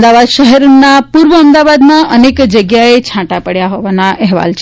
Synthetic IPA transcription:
d̪aʋad̪ʃəɦɛɾnapuɾʋəəmd̪aʋad̪mãʔənekd͡ʒəɡjaet͡ʃʰãʈapəɽjaɦɔʋanaʔɛɦʋa̰lt͡ʃʰ

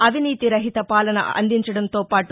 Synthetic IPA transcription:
ɐʋʱiniːt̪iɾɐɦit̪ɐpaːlɐnɐ̰ɐ̰nd̪iɲt͡ʃɐɽɐnt̪o̞ːpaːʈu

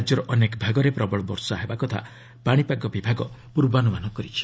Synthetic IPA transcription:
d͡ʒɔɾɔʔɔnekɔbʱaɡɔɾepɾɔbɔɭɔbɔ̰ɾsɔaɦebakɔt̪ʰa̰ | paɽ̃ipaɡɔbibʱaɡɔ | puɾbɔanumanɔkɔɾit͡ʃʰi̥

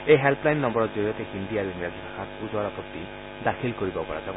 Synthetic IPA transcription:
eɦelpʰlajnnɔmbɔɾɔtd͡ʒɔɾiɔt̪ehind̪iaɾuiŋɡɾad͡ʒʱibʰʱaxʰatpud͡ʒaɾɔpɾɔt̪i | d̪akʰilkɔɾibɔpɔɾa̰d͡ʒa

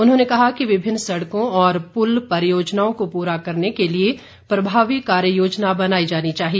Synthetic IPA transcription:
ʊnɦõːnekɐɦakiʋɪbʱɪnːsɐɽkõɔːɾpʊlpɐɾjoːd͡ʒnaːõkopuːɾakɐɾnekelie | pɾɐbʱaːʋikaːɾjəjoːd͡ʒnabɐnaːid͡ʒaːnit͡ʃaːɦieː

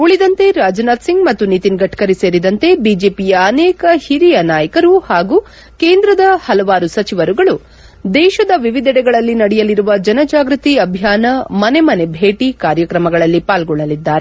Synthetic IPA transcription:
uɭid̪ɐnt̪e̞ɾaːd͡ʒnaːd̪siŋɡmɐt̪ːunit̪inɡɐʈːkɐɾise̞ːɾid̪ɐnt̪e̞biːd͡ʒe̞ːpijɐːnɛːkɐhiɾijɐnaːjɐkɐɾuhaːɡu | ke̞ːnd̪ɾɐd̪ɐhɐlɐʋaːɾusɐt͡ʃiʋɐɾuɡɐɭu | d̪ɛːʃɐd̪ɐʋiʋid̪ɛɽɛɡɐɭɐlːinɐɽɛjɐliɾuʋɐd͡ʒɐnɐd͡ʒaːɡɾut̪iɐbʱjaːnɐmɐne̞mɐne̞bʱe̞ːʈikaːɾjɐkɾɐmɐɡɐɭɐlːipaːlɡɔɭːɐlid̪ːaːɾe

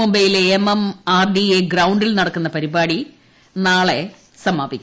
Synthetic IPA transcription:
umbɐjileːmɐmaːɖieɡrɐwɳɖilnɐɽɐkːunːɐpɐɾibaːɽi | naːɭe̞ | sɐmaːbikʲː

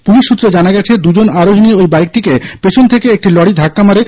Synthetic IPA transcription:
puliʃːut̪ːɾed͡ʑanaɡɛt͡ɕʰed̪ud͡ʑonaɾoɦiniojbajk̚ʈikepet͡ɕʰont̪ʰekeek̚ʈilɔɽid̪ʱakːamaɾe

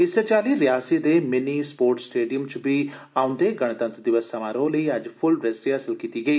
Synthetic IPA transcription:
isɐt͡ʃaːliːɾijaːsid̪eːmenispoːɾʈsʈeːɖijəmt͡ʃbiaʊ̃nd̪eːɡɐɳ̃ɐt̪ɐ̃nt̪ɾd̪iʋɐsːɐmaːɾoːliːɐd͡ʒpʰʊlbɾesɾiɐsɐlkit̪iːɡɐi

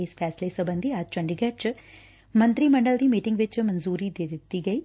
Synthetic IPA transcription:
eːspʰɛːslesɐbɐnd̪ʱiaːd͡ʒt͡ʃɐɳɖiɡɐʈt͡ʃ | mɐnt̪ɾiːmɐɳɖəld̪iːmiːʈɪŋɡʋɪt͡ʃmɐnzuːɾiːd̪ed̪t̪iɡɐiː

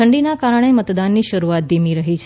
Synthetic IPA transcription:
əɳɖinakaɾəɳ̃emət̪d̪anːiʃəɾuat̪̚d̪imiɾəɦit͡ʃʰ

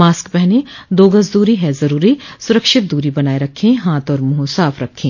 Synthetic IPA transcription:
maːskbɛɦned̪oːɡəsd̪uːɾiɦɛzɐɾuːɾisʊɾəkʃɪt̪̚d̪uːɾibɐnaːeɾɐkʰːẽɦaːt̪ɔːɾmʊɦũsaːfʰɾɐkʰːẽː

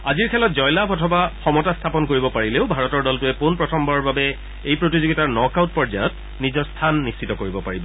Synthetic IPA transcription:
aziɹkʰɛlɔtzɔjlapʰɔtʰɔbaxɔmɔtastʰapɔnkoɹibɔpaɹileʊbʱaɹɔtɔɹdɔltʊɛpunpɹɔtʰɔmbaɹɔbabɛ | ejpɹotizoɡitaɹnɔkawt̚pɔɹzajɔt̚ | nizɔɹstʰanːistʰitɔkoɹibɔpaɹibɔ

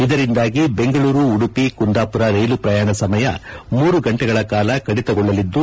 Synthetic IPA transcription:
id̪ɐɾind̪aːɡibe̞ŋɡɐɭuːɾuːɽupikund̪aːpuɾɐɾejlupɾɐjaːɳɐsɐmɐjɐ̰muːɾuɡɐɳʈɛɡɐɭɐkaːlɐkɐɽit̪ɐɡɔɭːɐlid̪ːu

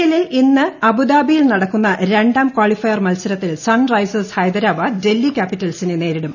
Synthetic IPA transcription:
jɐlilinːɨɐbud̪aːbijilnɐɽɐkːunːɐɾe̞ɳɖaːmkwaːɭifɐjɐrmɐlsɐɾɐt̪ːilsɐnrɐjsɐshɐjd̪ɐɾaːbɐde̞lːikʲaːpːitːɐlsinene̞ːɾiɽum

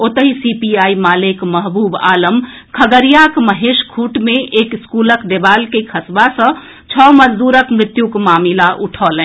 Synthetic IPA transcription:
ot̪əɦisipiaimaːlekməɦbuːba̰ləm | kʰəɡəɾijakməɦeʃkʰuʈmeʔekskuləkd̪ebalkekʰəsbasə̃ | t͡ʃʰɔməd͡ʒd̪uːɾəkmɾɪt̪jukmaːmilaʔuʈʰɔːlɛ̃

